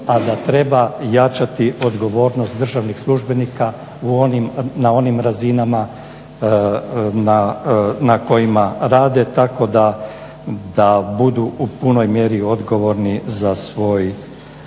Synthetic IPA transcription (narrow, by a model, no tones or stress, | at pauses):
ad̪at̪ɾe̞bajat͡ʃat̪iʔo̞d̪ɡo̞ʋo̞ːɾnost̪d̪r̩ʒaʋnixslˠuʒbe̞nika | uonimnao̞nimɾazinama | nanako̞jimaɾaːd̪e̞t̪ako̞d̪a | d̪abud̪uupuno̞jmje̞ɾio̞d̪ɡo̞ʋo̞ɾnizasʋo̞ːj